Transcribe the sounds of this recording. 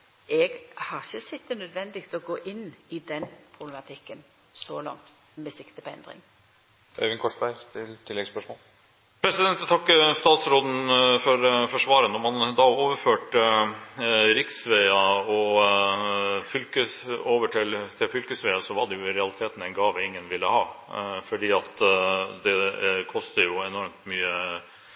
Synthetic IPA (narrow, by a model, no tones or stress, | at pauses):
ɛɡhɑçəsɛt̪ːənœd̪ʋɛnd̪ɪɡt̪ʰɔɡoːʔɪnːɪd̪ɛnpʰʁʊblɛmɑt̪ʰɪkːən | sɔlɑ̰ŋt̪ | mɛsɪkt̪əpɔɛ̰nd̪ɾɪ̰ŋ | ø̰ʋɪnkʰɔʂbæɪt̪ʰɪlt̪ʰɪlːɛɡspœʂmɔːl | pʰɾɛsɪd̪ɛnt̪t̪ʰɑkːəst̪ɑːt̪sɾoːd̪n̩fɔɾfɔʂʋɑːɾənɔmhɑnd̪ɑːoːʋəɾføːʈə | ɾɪksʋɛɪɑɔ | fʏlkəoːʋəʈʰɪlt̪ʰɪlfʏlkəsʋɛɪɑsɔʋɑd̪ɛjʊɾɛɑlɪt̪ʰeːt̪n̩ɛɪnɡɑːʋəɪŋːənʋɪlːəhɑːfɔɖiːɑt̪d̪ɛkʰɔst̪əjʊɛnɔɾmt̪myːə